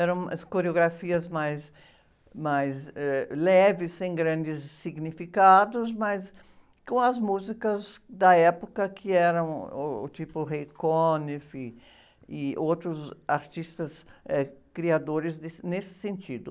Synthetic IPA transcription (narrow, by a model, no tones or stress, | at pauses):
ɛɾɐ̃w̃skoɾeoɡɾafiɐzmajs | majzɛlɛvɪsẽŋ̃ɡɾãnd̪ɪsːiɡnifikad̪ʊzmas | kõw̃ɐzmuzikɐzd̪ɐɛpokɐkʰɪɛɾɐ̃w̃ːt̪ipʊrejkonefi | iowt̪ɾʊzaɾt̪ist̪ɐsɛkɾiad̪oɾɪzd̪enesɪ̥sẽnt̪id̪ʊ